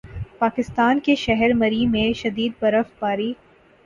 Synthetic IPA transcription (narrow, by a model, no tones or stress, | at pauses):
paːkɪst̪aːnkeʃɛɦɛɾmɐɾimẽʃɐd̪iːd̪̚bɐɾəfbaːɾi